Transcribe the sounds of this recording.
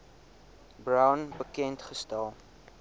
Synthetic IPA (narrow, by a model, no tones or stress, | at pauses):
brawnbəkɛntχəstælˠ